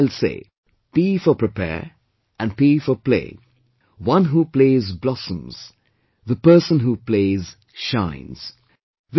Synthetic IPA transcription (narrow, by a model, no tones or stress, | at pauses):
ɪlsḛː | pifəpɹɨpʰɛ̰ɹ | ʔæ̃npiːfəplḛː | wʌ̃nɦupleɪzblɔsə̃mz̥ | ðəpəːsə̃nɦupleːz̥ | ʃãɪ̃nz̥ | ð